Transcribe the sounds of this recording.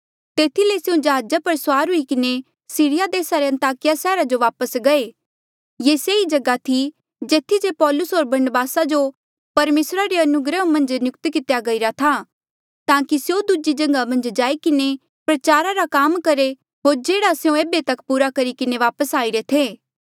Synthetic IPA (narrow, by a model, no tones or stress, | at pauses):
t̪eːt̪ʰilesejõd͡ʒɐɦaːd͡ʒapɐɾswaːɾɦʊikɪne | siːɽɪjad̪eːsaɾeɐ̃nt̪aːkɪjasɛːɾad͡ʒoʋaːpəsɡɐe | jeːseːid͡ʒɐɡat̪ʰi | d͡ʒeːt̪ʰːisepɔːlʊsɦoːɾbɐɾnəbaːsad͡ʒo | pɐɾmeːsɾaɾeɐnʊɡɾəmɐ̃nd͡ʒnjʊkt̪kɪt̪jaɡɐiɾat̪ʰa | t̪ãːkisjod̪ud͡ʒid͡ʒɐ̃ŋɡamɐ̃nd͡ʒd͡ʒaːikɪne | pɾɐt͡ʃaːɾaɾakaːmkɐɾe | ɦoːɾd͡ʒeːɽasjõeːbet̪ɐkpuːɾakɐɾikɪneʋaːpəsaːiɾet̪ʰeː